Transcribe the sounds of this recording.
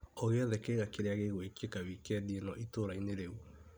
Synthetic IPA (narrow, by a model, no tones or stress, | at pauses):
oɣeɔðɛkeɣakeɾeaɣeɣwekiekaβikɛdienɔʔitoɾaineɾeu